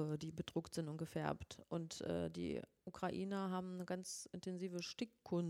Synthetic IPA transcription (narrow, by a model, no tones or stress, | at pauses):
ədiːbədʁʊktz̥ɪntʊnt̚ɡ̥əfɛɐptʔʊntʔɛ̰ːdḭːʔukʁ̥aʔiːnɐɦaːbm̩nəɡant͡sʔɪntɛnziːvəʃtɪkʰːʊn